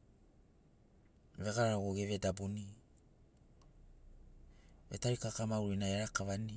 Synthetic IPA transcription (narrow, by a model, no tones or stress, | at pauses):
ve̞ɡaɾaɾaɡoɡeve̞dabuni | vetaɾikakamawɾinaeɾakaβani